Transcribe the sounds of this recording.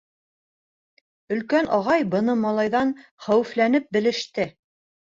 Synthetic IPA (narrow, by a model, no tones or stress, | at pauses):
ɵ̆lkænʔɑʁɑjbɤ̆nɤmɑlˠɑjðɑnχæwɘ̆flænɘp̚bɘ̆lɘ̆ʃt̪ɘ